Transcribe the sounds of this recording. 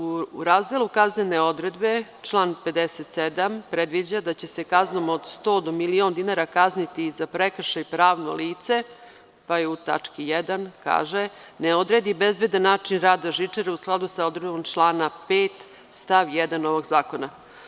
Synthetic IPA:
uɾaːzd̪elukazneneo̞d̪ɾe̞d̪be̞t͡ʃlˠaːnpe̞d̪eset̪sed̪ampɾed̪ʋid͡ʑad̪at͡ɕe̞se̞kazno̞mod̪st̪o̞ːd̪omiliond̪inaɾakaznit̪izapɾekr̩ʃajipɾaːʋno̰liːt̪se̞ | pajeut̪a̰t͡ʂkijɛd̪anka̰ːʒe | neo̞d̪ɾed̪ibezbed̪anːaːt͡ʂinɾaːd̪aʒit͡ʂeɾeusklˠad̪usao̞d̪ɾed̪bomʈ͡ʂlˠaːnapeːt̪ | st̪aʋjɛd̪anoʋo̞ɡzaːko̞na

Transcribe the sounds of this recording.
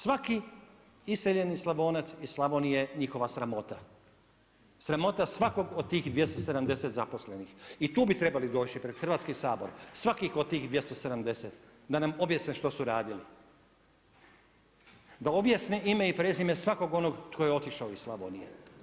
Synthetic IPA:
sʋaki | iseʎe̞nislˠabo̞ːnat̪sislˠabonijeɲixo̞ʋasɾamo̞t̪a | sɾamo̞t̪asʋako̞ɡod̪̚t̪iːxd̪ʋje̞st̪o̞se̞d̪amd̪e̞set̪zapo̞sle̞nixit̪uːbit̪ɾe̞balid̪o̞ːt͡ʃipɾed̪xr̩ʋaːt̪skisaːbo̞ɾsʋakixod̪̚t̪iːxd̪ʋje̞st̪ose̞d̪amd̪e̞set̪ | d̪anamo̞bjasneʃt̪o̞suɾaːd̪ili | d̪ao̞bjasneʔime̞ipɾeːzime̞sʋako̞ɡo̞noɡt̪kʰojeo̞t̪iʃaoisslˠabonijḛ

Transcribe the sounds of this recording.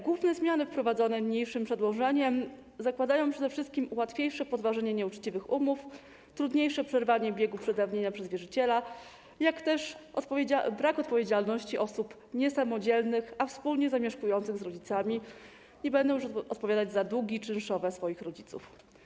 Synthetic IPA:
ɡwuvnɛzmʲjanɘfpɾɔvad̪zɔnɛmɲejʂɘmpʂɛd̪wɔʐɛɲɛm | zakwad̪ajɔ̃w̃pʂɛd̪ɛfʂɘst̪̚kʲimuwat̪fʲjejʂɛpɔd̪vaʐɛɲɛɲɛut͡ʂt͡ɕivɘxumuf | t̪ɾud̪ɲejʂɛpʂɛɾvaɲɛbʲjɛɡupʂɛd̪avɲeɲapʂɛzvʲjɛʐɘt͡ɕɛla | jakt̪ɛʂabɾakɔt̪̚pɔvʲjed͡ʑalnɔɕt͡ɕiʔɔsup | ɲɛsamɔd͡ʑɛlnɘxafspulɲɛzamʲjɛʂkujɔnt̪sɘɣzɾɔd͡ʑit̪samʲi | ɲɛbɛnd̪ɛ̃ʂɔt̪pɔvʲad̪ad͡ʑzad̪wuɡʲit͡ʂɘnʂɔvɛsfɔjixɾɔd͡ʑit̪sṵf

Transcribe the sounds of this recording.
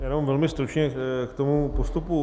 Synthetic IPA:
jaːnaamvɛlmɪst̪ɾut͡ʃɲɛkt̪omupost̪upu

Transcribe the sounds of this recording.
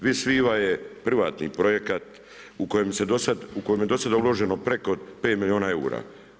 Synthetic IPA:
ʋisʋiːʋajepɾʋaːt̪nḭpɾo̞je̞kat̪ | uko̞jemsed̪osad̪ukojemje̞d̪o̞sad̪aulo̞ʒeno̞pɾeko̞pe̞ːt̪milʲjioːnae̞ṵɾa̰ː

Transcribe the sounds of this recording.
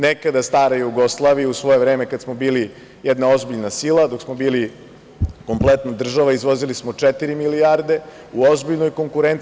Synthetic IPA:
nekad̪ast̪aːɾajuuɡo̞slˠaʋiusʋo̞je̞vɾe̞ːme̞kad̪smo̞biːli | jɛd̪nao̞zbiʎnasiːlˠad̪o̞ksmo̞biːli | ko̞mplˠet̪nad̪r̩ʒaʋaizʋo̞zilismo̞t͡ʂet̪iɾimiliaɾd̪e̞ | uozbiʎnojko̞ŋkuɾent̪

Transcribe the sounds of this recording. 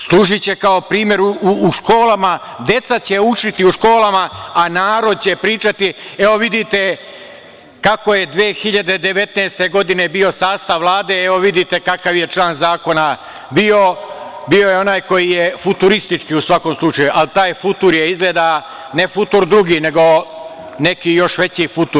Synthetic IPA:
slˠuːʒit͡ɕe̞kaopɾiːmje̞ɾuuːʃko̞ːlama | d̪e̞t̪sat͡ɕeut͡ʃit̪iuʃko̞ːlamaanaːɾo̞d̪̚t͡ɕe̞pɾiːt͡ʃat̪ieo̞ʋid̪it̪e̞ | kako̞je̞d̪ʋeːxiʎad̪e̞d̪eʋe̞t̪naːst̪e̞ɡo̞d̪ine̞bio̞saːst̪aʋʋlˠaːd̪e̞eo̞ʋid̪it̪e̞kakaʋje̞t͡ʃlaːnzaːko̞na | biobio̞jeo̞naːjko̞jijefut̪uɾist̪it͡ʃkiusʋako̞mslˠut͡ʃajuʔalit̪aːjfut̪uɾjeizɡleːd̪a | ne̞fut̪uɾd̪ɾuɡiːne̞ɡo̞ | ne̞kijo̞ʃʋe̞t͡ɕifut̪uɾ

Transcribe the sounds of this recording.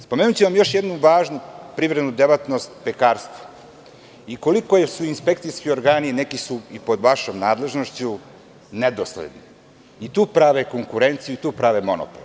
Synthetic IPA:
spomeːnut͡ɕeʋamjo̞ʃjed̪nuʋaːʒnupɾiʋɾed̪nud̪eʋat̪nost̪pekaːɾst̪ʋo̥ | iko̞likosuinspekt̪sijskio̞ɾɡaːninekisuipo̞d̪ʋaʃo̞ːmnaːd̪le̞ʒnoʃt͡ɕu | ned̪oslḛd̪ni | it̪uːpɾaʋeko̞ŋkuɾe̞nt̪sijuit̪uːpɾaʋemo̞no̰pol

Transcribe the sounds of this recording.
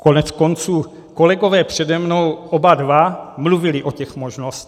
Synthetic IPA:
konɛt͡sko̞nt͡suː | ko̞lɛɡo̞vɛːpr̥ɛdɛmno̞wʔobadvamluvɪlɪʔocɛxmoʒnosc̪

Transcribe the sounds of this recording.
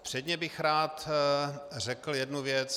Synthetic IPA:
pr̝̥ɛdɲɛbɪxɾaːt̪ | rɛkl̩jɛdnuvjɛt͡s

